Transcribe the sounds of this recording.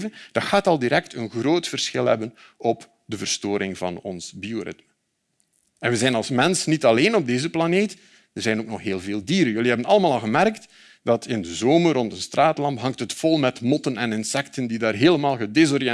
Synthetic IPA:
vənd̥ɑtxaːtɑlˠdiɾɛk̚tʰənɣroːtfərsxɪlˠɦɛ̰bən | ɔp | dəvərstoːɾɪŋvɑ̰nɔnsbioɾɪ̰tmə | ɛnʋəzɛjnɑlˠsmɛnsnitɑleːnɔb̚deːzəplɑneːt | ərzɛjnoːk̚nɔxɦeːlˠveːlˠdiːɾənjɵliɦɛbənɑlˠəmaːlˠɑlˠɣəmɛrkt | d̥ɑtʰɪndəzoːmərɔntənstraːtlɑmpɦɑŋtɦətfɔlˠmɛtmɔtənɛnɪnsɛktəndidaːrɦeːləmaːlˠɣədezɔrjɛ

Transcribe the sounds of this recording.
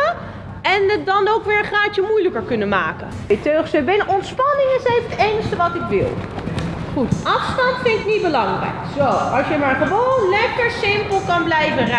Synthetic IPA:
ə | ɛnədɑnowkʋɪːɹənχraːt͡ʃəmujləkəɹkɵnəmaːkə | jtøɥχsɛbenəɔntspɑnɪŋənzɛjkətɛnstəʋɑtɪkʋɪ̰lˠ | χutʔɑfstɑntfɪnɪknit̚bəlɑŋrɛ̰jkz̥owɑsjəmaːɹχəʋownlɛkəɹsɪmpəlˠkɑnblɛjvərɛ

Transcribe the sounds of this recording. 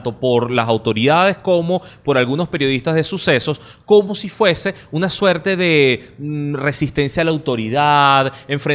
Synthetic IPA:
t̪o̞po̞ɾlasawt̪o̞ɾiðað̞e̞sko̞mo̞po̞ɾalɣuno̞spe̞ɾjoðist̪azðe̞suse̞so̞s | ko̞mo̞sifwe̞se̞unaswe̞ɾt̪e̞ðe̞ | re̞sist̪e̞nsjaːlawt̪o̞ɾiðaðe̞ɱfɾe

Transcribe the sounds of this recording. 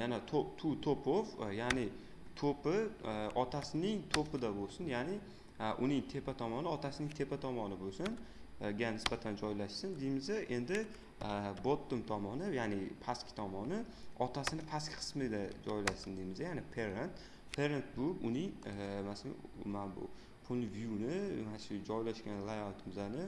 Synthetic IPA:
janat̪ʰot̪ʰʊt̪ʰopʰofjanɪ | t̪ʰopɪɒt̪ʰasɪnɪŋt̪ʰopʰɪd̪abolˠsɪnjanɪ | ʔʊnɪŋt̪ʰe̞pat̪ʰɒmɒnɪɒt̪ʰasɪnɪŋt̪ʰe̞pʰat̪ʰɒmɒnɪbosɪn | ɡʲanɪsbat̪ʰand͡ʒɒjlaʃsɪnd̪ejmɪzaʔe̞nd̪ɪ | bot̪ːʊmt̪ʰɒmɒnɪjanɪpʰaskʲɪ̥t̪ʰɒmɒnɪɒt̪ʰasɪnɪpʰaskʲɪ̥qʰɨ̥smɪd̪ad͡ʒɒjlaʃsɪnd̪ejmɪzajanɪpʰeɾent̪ | pʰe̞ɾent̪̚bʊʊnɪŋmasala̰manbʊ̰ | pʰʊlvjunɪmanɪʃʊd͡ʒɒjlaʃkʲanlˠajalt̪ʰɪmɪzanɪ

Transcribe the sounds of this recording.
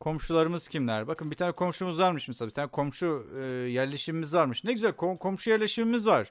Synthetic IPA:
kʰo̞mʃulˠaɾɯmɯz̥cʰimlʲæɾbakɯnbit̪ʰaːnɛkʰo̞mʃumuzvaɾmɯʃmeselabit̪ʰaːnɛkʰo̞mʃujæɾlʲe̞ʃimimizvaɾmɯʃnɛɟyzælʲkʰokʰo̞mʃujæɾlʲe̞ʃimimizvaɾ̥

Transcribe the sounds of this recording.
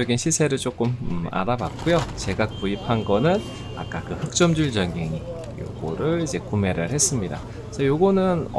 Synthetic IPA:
ʌɡinɕʰisʰe̞ɾɯɭt͡ɕ͈ok͈ɯma̰ɾabat̚k͈ujot͡ɕe̞ɡakuipʰanɡʌnɯn | a̰k͈akɯhɯk̚t͡ɕ͈ʌmd͡ʑuɭd͡ʑʌŋeŋi | jo̰ɡoɾɯɭid͡ʑe̞kume̞ɾɯɭhe̞s͈ɯmɲida̰ | sʰʌjoɡunɯn

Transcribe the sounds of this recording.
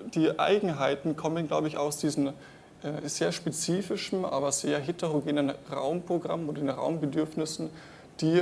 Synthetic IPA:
d̥iːʔa̰ɪɡŋ̩ɦaɪtn̩kʰɔmənɡlaʊbəɪça̰ʊsd̥iːzn̩ | ʔɛːz̥eːɐʃpet͡siːfɪʃn̩ʔa̰ːbɐz̥eːɐɦetəʁoɡeːnənʁa̰ʊmpʁ̥oɡʁa̰moddenʁa̰ʊmbədʏɐfnɪsn̩ | d̥iː

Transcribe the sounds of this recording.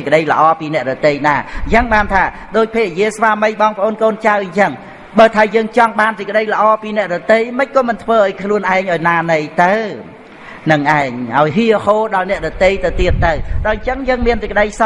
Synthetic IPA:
kə̆ɗəjlə̆ʔɑːpiːnɛ̆əʔɗɑt̪ejnaːjəŋɓaːnt̪ʰaː | ɗoːc̚pʰeːk̚ʔjiəsʋaːməjɓɑːŋpə̆ʔoːnkoːnt͡ɕawɲt͡ɕəŋ | ɓaːt̪ʰaːjəːŋt͡ɕɑŋɓaːnsɨc̚kə̆ɗəjlə̆ʔɑːpiːnɛ̆əʔɗɑt̪ejməc̚kɑːmɨnt̪ʰʋəːʔaɔjkʰluənʔaɛŋʔaɔjnaːnɨjt̪ɨw | nɨŋʔaɛŋʔaɔjɦiəhoːɗɑlnɛ̆əʔɗɑt̪eːjt̪ɨwt̪iət̪ːɨwɗalɲt͡ɕəŋjəːŋmiənsək̚əɗəjs

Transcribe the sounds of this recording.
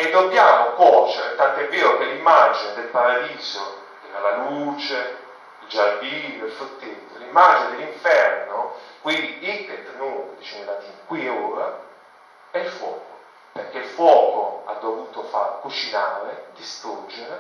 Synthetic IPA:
ed̪ːobjaːmokwɔt͡ʃeɾet̪ant̪oɛvːeːɾokelːimːad͡ʒined̪elpaɾad̪iːzo | d̪elalaluːt͡ʃe | ild͡ʒarviːljoilfut̪ːit̪ːolimːad͡ʒined̪elːiɱfɛrnokwind̪iik̪ːet̪ːnud̪it͡ʃinlat̪iŋkwiuːɾa̰ | ɛilfwɔ̰ːko | perk̟eilfwɔːkoa̰d̪ːovuːt̪ofaɾkut͡ʃinaːɾed̪ist̪ɾud͡ʒːeɾḛ

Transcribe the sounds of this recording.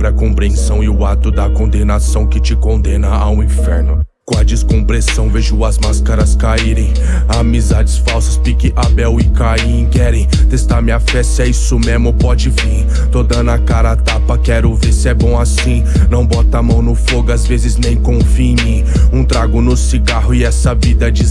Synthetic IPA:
pɾɐkõpɾiẽsɐ̃w̃ɪʊat̪ʊd̪ɐkõnd̪enasɐ̃w̃kɪt͡ʃɪkõd̪ẽnɐaũĩfɛ̰ɾnʊ | kõɐd͡ʒiskõpɾesɐ̃w̃veʒʊɐzmaskɐɾɐskaiɾẽj̃ | amizad͡ʒɪsfawsɐspikɪʔabɛwɪkaĩkɛɾẽj̃t̪est̪aɾmɪafɛsɪɛisʊmẽzmʊpɔd͡ʒɪvĩ | t̪od̪ɐ̃nɐkaɾɐat̪apɐkɛɾʊveɾsɪɛbõw̃asĩ | nɐ̃w̃bɔt̪ɐamɐ̃w̃nʊfoɡʊazvezɪznẽj̃kõfĩɲĩ | ũt̪ɾaɡʊnʊsiɡaɦʊɪɛsɐvid̪ɐd͡ʒis

